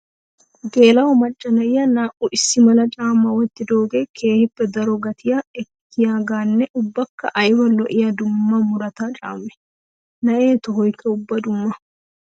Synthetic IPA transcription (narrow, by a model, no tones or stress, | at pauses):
ɡeːlɐwɔmɐt͡ʃʼːɐnɐjːɐnaːʔuʔɪsːɪmɐlɐt͡ʃʼaːmːɐwɐt̪ːɪd̪o̞ːɡeːkʰe̞ːhɪbːɛd̪ɐɾɔɡɐt̪ɪjaɛkːɪjaːɡaːnːɛʔʊbːɐkːɐʔɐjwɐlɔʔɪjɐd̪ʊmːɐmʊɾɐt̪aːt͡ʃʼa̰ːmːɛ̥ | nɐʔe̞ːt̪ɔhɔjkɐʊbːɐd̪ʊmːɐ